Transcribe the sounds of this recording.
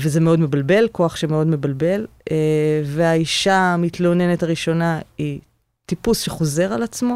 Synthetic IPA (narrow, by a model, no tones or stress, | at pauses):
vezemeo̞dme̞balbe̞lko̞aχʃemeo̞dme̞balbe̞leveaiʃamit̪lo̞ne̞netaʁiʃo̞nai | tipusʃeχo̞ze̞ʁalat͡smo̞